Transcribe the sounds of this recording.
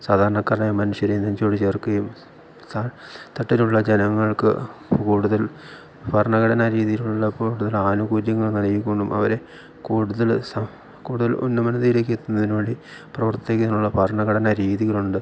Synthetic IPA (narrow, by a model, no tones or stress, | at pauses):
saːd̪ʱaːɾɐɳɐkːɐrɐɲjɐmɐnuʂjɐɾejnːɐnt͡ɕoːɽit͡ɕerkɐjum | sat̪ɐʈːiluɭːɐd͡ʑenɐŋːɐɭkɨ̰kuːɽuðɐl | pɐɾɐɳɐɣɐɽɐnaɾiːðijiluuɭːɐpuːɽuðɐlaːnuɣuːɾjɐŋːɐɭkɐnɐjikʲːoɳɖumʔɐ̰ʋɐɾe | kuːɽuðɐlsɐ | kuːɽuðɐlo̰nːɨmɐnɐðiilekːet̪ːunːɐðinoːɽi | prɐʋɐrt̪ekːiðinːuɭːɐpɐrɳɐɣɐɽɐnaɾiːðiɣɐɭuɳɖɨ